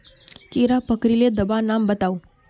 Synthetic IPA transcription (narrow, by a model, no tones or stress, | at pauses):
kiɾapəkɾiled̪əbanambət̪aũ